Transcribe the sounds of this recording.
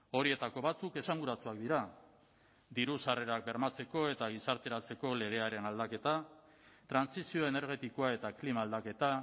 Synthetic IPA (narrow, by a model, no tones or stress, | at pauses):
o̞ɾie̞t̪ako̞βat͡suke̞saŋɡuɾat͡suak̚d̪iɾa | d̪iɾusare̞ɾak̚be̞ɾmat͡se̞ko̞e̞t̪aɣ̞isaɾt̪e̞ɾat͡se̞ko̞le̞ɣ̞e̞aɾe̞nald̪ake̞t̪a | t̪ɾansisio̞e̞ne̞ɾɣ̞e̞t̪iko̞ae̞t̪aklimaːld̪ake̞t̪a